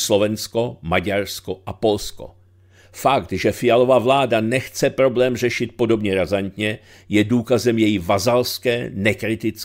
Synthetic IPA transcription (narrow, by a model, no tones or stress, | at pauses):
slo̞vɛnsko̞maɟaɾsko̞ʔapo̞lsko̰ | fakt̪ʒɛfɪjalo̞vavlaːdanɛxt͡sɛpɾo̞blɛːmrɛʃɪt̪̚po̞do̞bɲɛɾazant̪ɲɛ | jɛduːkazɛmjɛjɪvazalskɛːnɛkɾɪt̪ɪt͡s